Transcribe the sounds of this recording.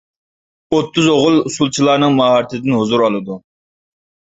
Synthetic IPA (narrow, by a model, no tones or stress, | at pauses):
ot̪ʰːuzoʁʊlˠusulˠt͡ʃʰilˠɑːnɨŋmɑɦɑɾt̪ʰɨd̪ɪnɦuzuɾɑlˠɨd̪u